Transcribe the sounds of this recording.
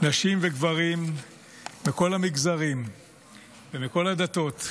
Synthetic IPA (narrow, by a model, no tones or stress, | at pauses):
naʃimveɡvaʁimː | iko̞lamiɡzaʁim | vemiko̞lad̪ato̞t